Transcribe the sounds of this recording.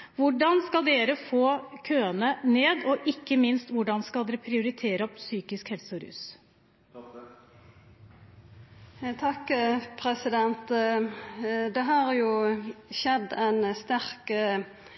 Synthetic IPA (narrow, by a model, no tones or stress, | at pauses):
ʋʊɖɑnskɑld̪eːɾəfoːkʰøːənəneːd̪ɔʔɪkːəmɪnst̪ʋʊɖɑnskɑld̪ɛɾəpʰɾɪʊɾɪt̪ʰeːɾəɔpsyːkɪskhɛlsɔɾʉ̰ːs | t̪ʰɑkpʰɾɛsɪd̪ɛnt̪ | d̪ɛɦɑɾjʊʃɛd̪æɪnst̪æɾk